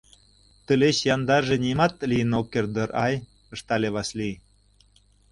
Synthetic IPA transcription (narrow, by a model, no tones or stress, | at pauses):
t̪ə̆leɕjɑnd̪ɑrʒĕnimɑt̪̚lijənokːerd̪ɤ̆ɾɑj | ə̆ʃt̪ɑleβɑsli